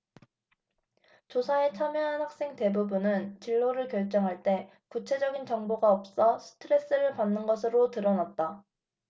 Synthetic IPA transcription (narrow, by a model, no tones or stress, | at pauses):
t͡ɕosʰae̞t͡ɕʰamjʌɦanhak̚s͈e̞ŋte̞bubunɯnt͡ɕiɭːoɾɯɭkjʌɭt͡ɕ͈ʌŋɦaɭt͈e̞ | kut͡ɕʰe̞d͡ʑʌɡint͡ɕʌŋboɡaʌp̚s͈ʌsʰɯ̥tʰɯɾe̞s͈ɯɾɯɭpanːɯnɡʌs̬ʰɯɾotɯɾʌnat̚t͈a